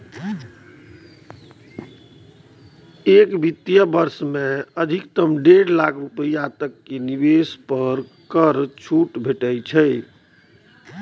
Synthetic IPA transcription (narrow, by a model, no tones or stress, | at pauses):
ekbit̪ːijəbəɾsmẽəd̪ʱikt̪əmɖeɽlakʰɾupəjat̪əkːenibespəɾ | kəɾt͡ʃʰuʈbʱeʈəjt͡ʃʰəj